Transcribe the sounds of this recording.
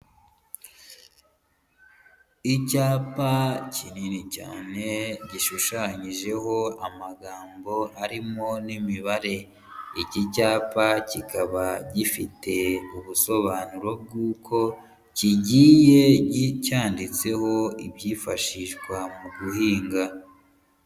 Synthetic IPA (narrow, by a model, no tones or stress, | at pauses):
icaːpacininica̰ːne̞ɟiʃuʃaɲiʒe̞ho̞amaɡaːmbo̞aɾimo̞nimiβaɾe̞ | icicaːpacikaβaɟifite̞uβuso̞βaːnuɾo̞b̚ɡuːkʰo̞ | ciɟiːje̞ɟicaːndit͡se̞ho̞ibjiːfaʃiʒɡwamuɡuhiːŋɡa